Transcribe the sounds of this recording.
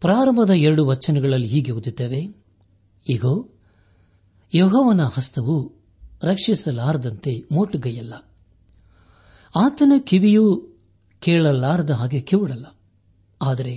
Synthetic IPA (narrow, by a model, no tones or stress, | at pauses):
pɾaːɾɐmɐd̪ɐɛɾɐɽuʋɐt͡ʃːɐnɐɡɐɭɐlːiɦiːɡeɣud̪it̪ːeːʋe̞ | iɡoː | joɦɔːʋɐnɐhɐst̪ʰɐʋu | ɾɐkʂisɐlaːɾɐd̪ɐnt̪e̞moːʈːuɡɐjɐlːɐ | aːt̪ɐnɐkiʋiju | keːɭɐlːaːɾɐd̪ɐɦaːɡekiʋuɽɐlːɐ | aːd̪ɐɾe̞